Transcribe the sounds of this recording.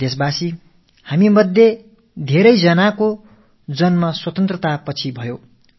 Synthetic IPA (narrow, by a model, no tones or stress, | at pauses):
esbasi | hamimʌd̪ʱːje | d̪ʱeɾʌjd͡zʌnako | d͡zʌnmʌswʌt̪ʌnt̪rʌt̪apʌt͡sʰibʱʌjo